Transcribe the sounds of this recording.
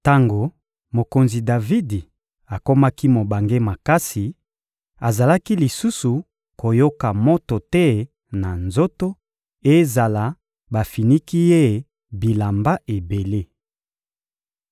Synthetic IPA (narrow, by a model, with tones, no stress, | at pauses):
ta˦ŋɡo˨ | mo˨ko˨nzi˨da˨vi˦di˨ | a˨ko˦ma˦ki˦mo˨ba˨ŋɡe˦ma˨ka˦si˨ | a˨za˨la˦ki˦li˨su˦su˨ | ko˨jo˦ka˨mo˦to˨tɛ˦ | na˨nzo˦to˦ | e˦za˨la˨˦ | ba˨fi˨ni˦ki˦je˦˨˦ | bi˨la˨mba˦ʔe˨be˨le˦